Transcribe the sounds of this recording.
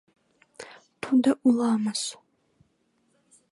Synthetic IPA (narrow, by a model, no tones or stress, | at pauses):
tʰudɐʔʊlaːmɐs